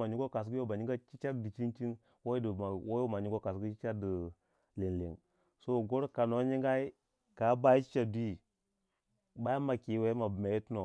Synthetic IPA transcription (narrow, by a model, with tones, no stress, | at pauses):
ma˨ɲi˦ɡo˦ka˨s̬ɡu˦jo˦ba˨ɲi˦ɡa˦t͡ʃi˦t͡ʃa˦di˨t͡ʃi˦nt͡ʃi˦n | wo˦i˦dwo˦jo˦ma˨ɲi˦ɡo˦ka˨sɡu˦t͡ʃi˦t͡ʃa˦də˨ | li˨n˨lḭ˨ŋ | so˦˨ɡo˦ɾka˨no˨˦ɲi˦ŋɡa˦i˦ | ka˨˦ba˦i˦t͡ʃi̥˦t͡ʃa˨di˦ | ba˦ja˦ma˨ki˨˦we˦ma˨bme˨i˦tno˨